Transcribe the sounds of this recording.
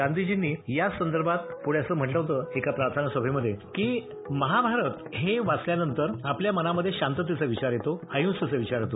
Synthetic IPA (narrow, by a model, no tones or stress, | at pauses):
ɡand̪id͡ʑinːiːjasənd̪əɾbʱat̪puɽjasəːm̤əʈləʋɦot̪əekapɾaɾt̪ʰanəsəbʱeməd̪ʱːjekiː | məɦabʱaɾət̪ɦeʋat͡sljanənt̪əɾapljamənaməd̪ʱːjeɕant̪ət̪̬it͡səʋit͡ɕaɾjet̪oajũːnst̪it͡səʋit͡ɕaɾjet̪o